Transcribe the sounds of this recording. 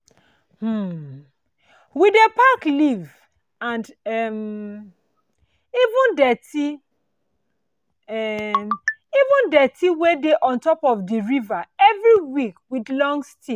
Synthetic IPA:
hm̩ | widepakliv | ãndɛm | ivũndɛti | ɛ | ivũndɛtiwedeʔɔ̃ntɔpɔfdiɹivaɛvɹiwikwidlɔ̃ŋsti

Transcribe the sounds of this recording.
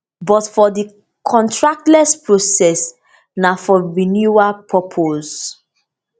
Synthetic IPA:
bɔtfɔdi | kʰɔ̃ntʰɹak̚tlɛspɹosɛs | nafɔɹinjuapʰɔpʰoz

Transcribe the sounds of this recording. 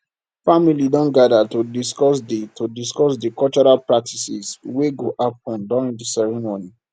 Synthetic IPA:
familidɔ̃nɡadatodiskɔsditodiskɔsdikɔlt͡ʃɔɹalpɹak̚tʰisisweɡoʔap̚ɔ̃nduɹĩŋdisɛɹimoni

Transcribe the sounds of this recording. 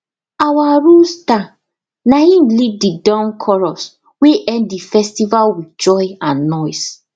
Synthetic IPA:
awaɹusta | najĩnlididãnkʰɔɹɔs | weʔɛ̃nddifɛstivalwid͡ʒɔjãnːɔjs

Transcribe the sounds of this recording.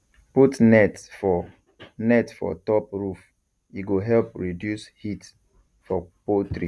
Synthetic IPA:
putnɛtfɔ | nɛtfɔ̰tɔpɹuf | iɡoɦɛlpɹidjushit | fɔpotɹi

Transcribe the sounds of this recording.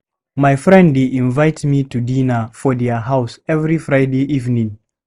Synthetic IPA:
majfɹɛ̃ndeʔĩnvaɪtmitudĩnəfɔdɛəɦaʊsɛvɹifɹaɪdeʔivnĩŋ

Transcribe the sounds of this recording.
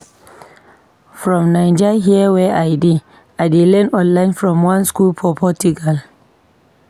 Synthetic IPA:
fɾɔmnajd͡ʒɛɦiɛwɛʔajdi | ʔajdilɛnɔ̃nlajnfɹɔmwãnskulpʰɔpʰɔtuɡal

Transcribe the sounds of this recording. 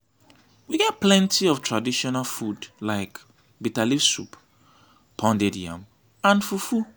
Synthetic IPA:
wiɡɛt̚plɛ̃ntʰiɔv̥tʰɹadiʃɔnalfudlaɪk | bitalifsup | pʰɔ̃ndɛdiã̰m | ãnfufu

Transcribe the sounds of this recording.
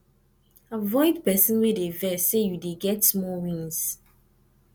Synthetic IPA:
avɔɪdpɛsə̃nwedevɛsejudeɡɛtsmɔwĩnz̥

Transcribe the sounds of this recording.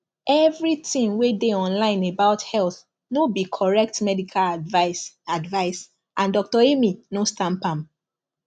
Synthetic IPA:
ʔɛvɹitĩnwedeɔ̃nlãɪ̃nebaʊthɛlθ | nobikʰɔɹɛk̚tmɛdikʰal | advaɪs | ʔãndɔk̚tɔeminostãmpãm

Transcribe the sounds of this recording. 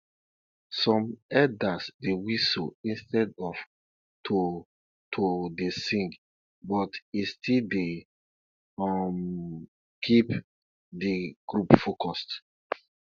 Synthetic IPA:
sɔ̃mɛdasdewiso̰ĩnstɛdɔf | tʰo | tʰodesĩŋɡ | bɔtistilde | ɔm | kʰip | diɡ̥ɹupfokɔst

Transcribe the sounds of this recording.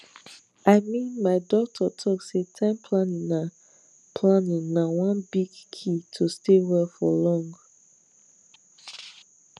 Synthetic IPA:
aɪmĩnmaɪdɔk̚tʰɔtʰɔksetʰãɪ̃mpʰlãnĩŋna | pʰlãnĩŋnawãnbiɡkʰitʰustewɛlfɔ̰lɔ̃ŋɡ

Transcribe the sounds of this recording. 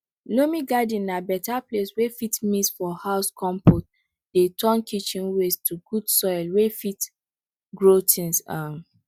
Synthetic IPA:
lomĩɡadĩnːabɛtapleswefitmisfɔhaʊskʰɔ̃mpot̚ | d̥etʰɔ̃nkʰit͡ʃĩnwestʰuɡ̥udsɔjlwefit | ɡɹotʰĩnsam

